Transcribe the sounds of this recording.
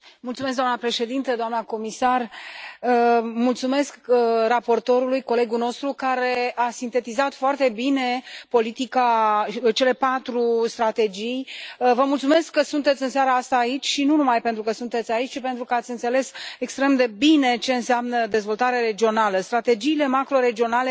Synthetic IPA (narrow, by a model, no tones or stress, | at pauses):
mult̪sumes̬ɡd̪oanəpɾe̞ʃe̞d̪int̪əd̪oamnəko̞misarəmult̪sume̞skrapo̞rt̪o̞ɾulujko̞le̞ɡuno̞st̪ɾukaɾe̞asint̪e̞t̪izat̪foart̪e̞bine̞po̞lit̪ikat͡ʃe̞le̞pat̪ɾust̪ɾat̪e̞d͡ʒijvəmult̪sume̞skːəsunt̪et̪sʲɨnsjaɾəast̪aːit͡ʃʲʃinunumajpent̪ɾukəsunt̪e̞t̪sʲait͡ʃʲt͡ʃipe̞nt̪ɾukəat̪sʲɨnt̪se̞le̞sekst̪ɾe̞md̪e̞bine̞t͡ʃe̞ɨnseamnəd̪e̞zvo̞lt̪aɾeaɾe̞d͡ʒio̞naləst̪ɾat̪e̞d͡ʒiːle̞makɾo̞ɾe̞d͡ʒio̞nale̞